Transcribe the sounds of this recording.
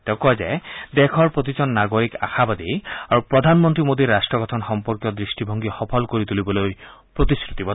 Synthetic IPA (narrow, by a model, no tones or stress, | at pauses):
t̪ekɔd͡ʒad̪ekʰɔɾpɾot̪it͡ʃɔnːaɡoɾika̰xabad̪iaɾupɾɔd̪ʱanmɔnt̪ɾimod̪iɾːasʈɾɔɡɔt̪ʰɔnxɔmpɔɾkjɔd̪ɾisʈibʱɔŋɡixɔpʰɔlkoɾit̪ulibɔloj | pɾot̪iskɾut̪ibɔ